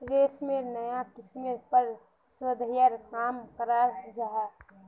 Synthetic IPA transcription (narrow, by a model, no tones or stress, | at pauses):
ɾeːsmenəjakɪsmeɾpəɾ | swəd̪ʱjəɾkaːmkəɾad͡ʒaɦa